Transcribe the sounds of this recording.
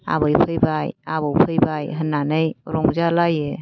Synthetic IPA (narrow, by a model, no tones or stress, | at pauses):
a̰βəjpʰəjbajaβəwpʰəjbajɦənanəjɾɔŋd͡ʒalaje